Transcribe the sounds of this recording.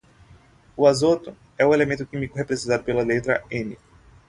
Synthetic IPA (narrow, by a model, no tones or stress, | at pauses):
ʊazot̪ʊ | ɛʊelemẽnt̪ʊkĩmikʊɦepɾezẽnt̪ad̪ʊpelɐlet̪ɾɐẽni